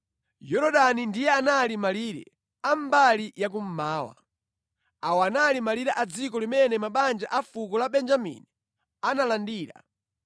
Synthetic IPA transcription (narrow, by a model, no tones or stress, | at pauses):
jɔɾɔɗanindijɛanalimaliːɾɛ̰ | am̩balijak̬um̩maːwa̰ | awanalimaliɾɛʔad͡zikɔlimɛnɛmaɓand͡ʒaʔafuk̬ɔlaɓɛnd͡ʒamḭni | analandiːɾa̰